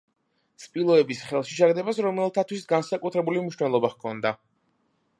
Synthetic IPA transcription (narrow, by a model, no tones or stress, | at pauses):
spʼilˠɔɛbisχɛlˠʃiʃaɡd̪ɛbasɾɔmɛlˠt̪ʰat̪ʰwisɡansakʼut̪ʰɾɛbulimniʃnɛlˠɔbaχkʰɔnd̪a